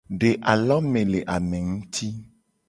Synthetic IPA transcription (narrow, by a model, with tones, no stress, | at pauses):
ɖe˨ʔa˨lɔ˦mẽ˨le˨ʔa˨mẽ˨ŋũ˦t̪ʰi˦